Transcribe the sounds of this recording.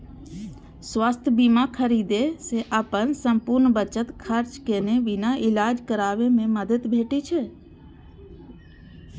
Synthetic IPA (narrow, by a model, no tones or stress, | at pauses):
sʋast̪ʰbimãkʰəɾid̪eseʔaːpənsəmpuɾnbət͡ʃət̪kʰəɾt͡ʃkeːneʋɪnaʔɪlaːd͡ʒkəɾaːʋemẽməd̪ʱət̪bʱeːʈit͡ʃʰe